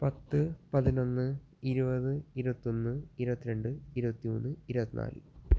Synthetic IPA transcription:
pɐt̪ːɨpɐðino̞nːɨ | iɾubɐðɨiɾubɐt̪ːo̞nːɨiɾubɐt̪ːiɾe̞ɳɖɨiɾubɐt̪ːioːnːɨiɾubɐt̪ːina̰ːlɨ̰

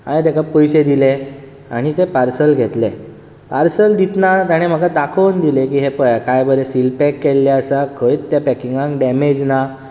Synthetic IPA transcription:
ãẽt̪ekapəjsed̪ile | aɽ̃it̪epaɾsəlɡʱet̪le | paɾsəld̪it̪nat̪aɽ̃em̤əɡad̪akʰəwnd̪ilek̬iːɦepəjkajbəɾesilpekːelːjaəsakʰəit̪ːjapɛkiŋɡãŋkɖɛmed͡ʑna

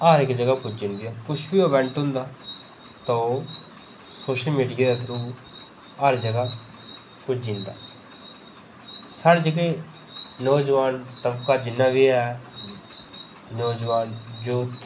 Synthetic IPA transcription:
aːɾɪkd͡ʒəɡaːkʊt͡ʃʰd͡ʒɪ̃nd̪ijaːkʊʃbiːobɛ̃ɳʈɦʊ̃ːnd̪aː | t̪ãoː | soːʃəlmiːɖijaːd̪aːt̪ʰɾuː | aɾd͡ʒəɡaː | kʊt͡ʃʰd͡ʒɪ̃ːnd̪a̰ː | saːɽd͡ʒəɡeː | nəːd͡ʒəʋaːnt̪əbkaːd͡ʒɪnːaːʋiːɛː | nɔːd͡ʒʋaːnd͡ʒoːt̪

